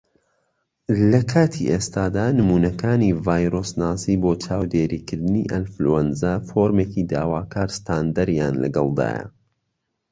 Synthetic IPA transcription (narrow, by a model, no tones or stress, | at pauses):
lɐkʰaːt̪ʰiʔest̪aːd̪aːnɨmuːnɐkʰaːniːvaːjɾoːsnaːsiːboːt͡ʃʰaːwd̪eːɾiːkʰɨɾd̪ɨnḭʔɐnfluɛnzafoːɾmeːcid̪a̰ːwaːkʰaːɾst̪ʰaːnd̪ɐɾja̰ːnlɐ̰ɡɐlˠd̪a̰ːjɐ̰